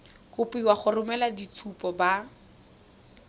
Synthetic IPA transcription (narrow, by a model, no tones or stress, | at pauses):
kʊpiwaχʊrʊmɛladit͡sʰupɔba